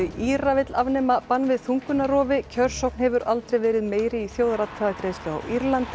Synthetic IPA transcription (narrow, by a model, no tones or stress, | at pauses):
ɪiɾavɪt̪lavnɛmapanːvɪðθuŋkʏnarɔːvɪcʰœr̥sɔwkn̥hɛvʏɾalt̪ɾejvɛːɾɪðmeːjɾɪiθjowðaɾat̪t̪ʰaðak̪ɾeːjst̪lʏa̰wʔiɾlant̪